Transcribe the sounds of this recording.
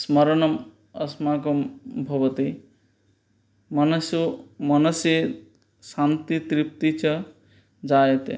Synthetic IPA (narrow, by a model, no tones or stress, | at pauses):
smɐɾɐɳɐm | ɐ̰smaːkɐmbʱɐʋɐt̪i | mɐnɐsumɐnɐse | saːnt̪it̪ɾip̚t̪it͡ʃɐ | d͡ʒaːjet̪ḛ